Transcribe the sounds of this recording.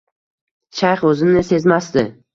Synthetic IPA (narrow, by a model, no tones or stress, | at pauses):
ʃajχɵzɪnɪse̞zmast̪ɪ